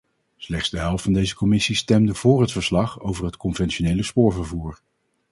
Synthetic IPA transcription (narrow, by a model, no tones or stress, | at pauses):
slɛχtdzdəɦɛlˠftfɑndejzəkɔmɪsistɛmdəv̥ʊːrɦətfəɹslɑχo̰wvəɹɦətkɔnvɛnʃonejləspʊːɹvəɹvuːɹ